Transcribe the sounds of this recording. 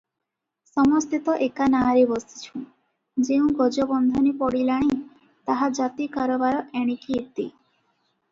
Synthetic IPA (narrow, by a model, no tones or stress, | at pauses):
sɔmɔst̪it̪ɔʔekanaɾebɔsi̥t͡ʃʰũ | d͡ʒeũɡɔd͡ʒɔbɔnd̪ʱɔnipɔɽilaɽ̃i | t̪aɦad͡ʒat̪ikaɾɔbaɾɔʔeɽ̃ikiet̪i